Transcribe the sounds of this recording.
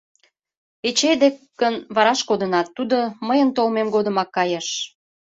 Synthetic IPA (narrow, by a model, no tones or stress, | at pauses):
et͡ɕed̪ekː | ənβɑɾɑʃkod̪ənɑt̪ːud̪oməjənt̪olmemɡod̪ə̆mɑkːɑjeʃ